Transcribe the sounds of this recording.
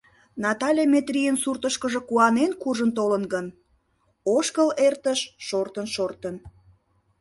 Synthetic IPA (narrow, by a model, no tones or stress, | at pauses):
nɑt̪ɑlʲemet̪rijənsurt̪əʃkəʒəkuɑnenkuʒənt̪̬olənɡən | oʃkəlert̪əʃʃort̪ənʃort̪ən